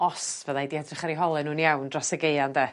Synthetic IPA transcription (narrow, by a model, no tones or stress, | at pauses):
ɔsvəðaidiadrɪχaɾiɦɔlˠɨnuːnjawndrɔsəɡeɨandɛː